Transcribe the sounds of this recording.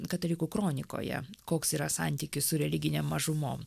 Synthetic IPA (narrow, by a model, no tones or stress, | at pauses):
kɐt̪ɐlʲɪkukɾoːnʲɪko̰ːjɛ̰koːksiːɾɐsɑnʲt̪ʲiːkʲɪssʊɾʲɛlʲɪɡʲɪnʲeːmːɐʒʊmo̰ːm